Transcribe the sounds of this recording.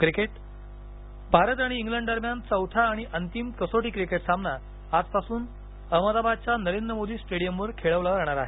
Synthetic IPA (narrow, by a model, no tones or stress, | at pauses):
kɾikeʈ | bʱaɾət̪aɽ̃iːŋɡləɳɖɖəɾmjant͡səwt̪ʰaːɽ̃iʔənt̪imkəsoʈiːkɾikeʈsambna | ad͡zpasuːn | əməd̪abad̪̚t͡ɕjanəɾend̪ɾəmod̪ʱiːsʈeɽijəmʋəɾkʰeɭəʋlaɾaɦɽ̃aɾaɦe